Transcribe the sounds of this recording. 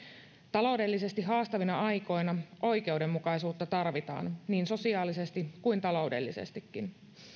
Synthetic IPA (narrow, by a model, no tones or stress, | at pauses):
t̪ɑlo̞wde̞lːise̞st̪iɦɑːst̪ɑʋinɑɑjko̞jnɑʔo̞jk̟e̞wde̞mːukɑisuːt̪ːɑt̪ɑrʋit̪ɑ̰ːnniːnso̞siɑːlise̞st̪ikujnt̪ɑlo̞ude̞̰lːisḛst̪ikːin